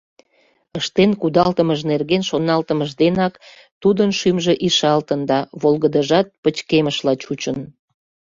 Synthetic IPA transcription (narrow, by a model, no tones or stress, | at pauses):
əʃt̪enkud̪ɑlt̪əməʒnerɣenʃonɑlt̪əməʒd̪enɑk | t̪ud̪ənʃymʒeʔiʃɑlt̪ənd̪ɑβolɣəd̪əʒɑt̪̚pət͡ɕkeməʃlɑt͡ɕut͡ɕən